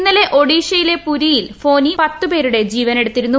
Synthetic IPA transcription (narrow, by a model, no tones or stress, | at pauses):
nːɐle̞ʔo̞ɽiːɕɐjile̞puɾijilfo̞ːnipɐt̪ːupe̞ːɾuɽe̞d͡ʑiːʋɐne̞ɽut̪ːiɾunːu